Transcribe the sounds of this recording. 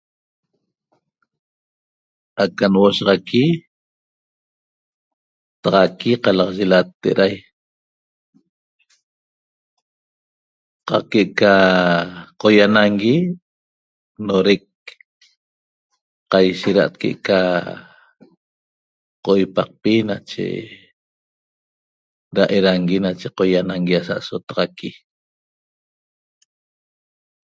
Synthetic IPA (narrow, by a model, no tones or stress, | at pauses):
akanwoʃɑʁɑki | t̪ɑʁɑkiqɑlɑqʒelat̪ːeʔɾʔaj | qɑqkeʔka | qojanaŋɡi | noɾek̚ | qajʃeɾaʔt̪̚keʔka | qoʔojpaq̚pinat͡ʃḛ | ɾaʔeɾaŋɡinat͡ʃeqojanaŋɡiasa̰ʔsot̪ɑʁɑki